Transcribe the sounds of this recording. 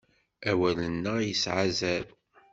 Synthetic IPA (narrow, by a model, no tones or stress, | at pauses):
æwælənːəjəsʕazæl